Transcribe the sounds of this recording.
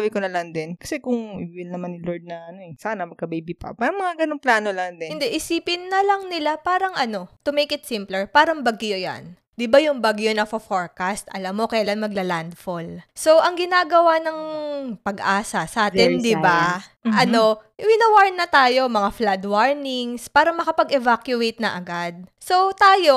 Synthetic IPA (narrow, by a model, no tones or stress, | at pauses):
abɪkonɐlɐŋd̪ɛnkɐ̥sɛkʊŋʔɪwɪlnɐmanːɪloɹd̪̚nɐʔɐnoɛsaːnɐmɐɡ̚kɐbejbipɐ̰paɾɐŋmɐŋaɡɐnoŋplaːnolɐŋd̪ɪɪnd̪ɛʔɪsiːpɪnːɐlɐŋnɪlapaːɾɐŋʔɐno̞t̪ʊmejkɪt̪sɪmplɛɹpaːɾɐŋbɐɡjoja̰n | d̪ɪbajʊŋbaɡjonɐfɐfoɹkast̪ʔɐ̰lamːo̞kɐjlanmɐɡ̚lɐland̪folso̞ʔɐŋɡɪnaːɡɐwanɐŋpɐɡʔaːsɐsɐʔaːt̪ɪnd̪ɪbaʔɐno̞wɪnɐwaɹnːɐt̪aːjo̞mɐŋaflad̪waɹnɪŋspaːɾɐmɐkɐpɐɡɛvakjʊʔejt̪̚nɐʔɐɡad̪̚so̞t̪aːjo̞